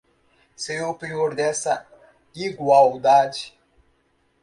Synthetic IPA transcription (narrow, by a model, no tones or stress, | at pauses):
sejopioɾd̪ɛsɐ | iɡwawd̪ad͡ʒi